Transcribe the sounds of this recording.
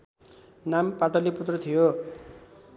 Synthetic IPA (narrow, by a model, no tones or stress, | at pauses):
nampaʈʌliput̪rʌt̪ʰijo